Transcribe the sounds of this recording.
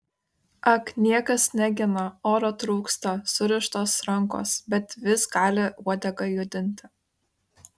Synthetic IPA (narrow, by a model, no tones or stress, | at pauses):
ɐknʲiɛkɐsnʲæɡʲɪnɐoːɾoːt̪ɾuːkst̪ɐsʊɾʲɪʃt̪oːsɾɐŋko̰ːsbʲɛt̪ʋʲɪsɡɑːlʲɪuɔd̪ʲɛɡɐɪjʊd̪ʲɪnʲt̪ʲɪ